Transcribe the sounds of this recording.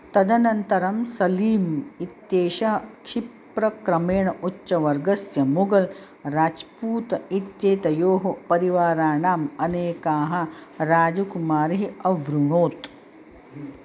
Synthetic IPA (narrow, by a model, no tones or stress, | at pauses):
t̪ɐd̪ʱɐnɐnt̪ɐɾɐmsɐliːmit̪jeːʃɐɦɐkʂip | ɾɐkɾɐmeːɳɐʔutːʃɐʋɐɾɡɐsjɐmuɡɐl | ɾaːt͡ʃpuːt̪ɐit̪jeːt̪ɐjoːɦɐpɐɾiʋaːɾaːɳaːmɐneːkaːɦɐ̆ɾaːd͡ʒukumaːɾɦiɐʋɾuɳoːt̪